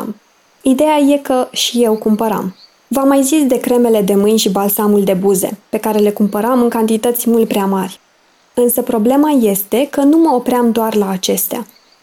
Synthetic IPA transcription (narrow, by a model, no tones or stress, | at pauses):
m | id̪e̞jaje̞kəʃije̞wkumpəɾa̰m | vamːajzisd̪e̞kɾe̞me̞le̞d̪e̞mɨnʲʃibalsamuld̪e̞buze̞̰pe̞kaɾe̞le̞kumpəɾamɨŋkant̪it̪ət̪sʲmult̪̚pɾeamarʲ | ɨnsəpɾo̞ble̞maje̞st̪e̞kənuməo̞pɾʲeamd̪oarlaːt͡ʃe̞st̪ea̰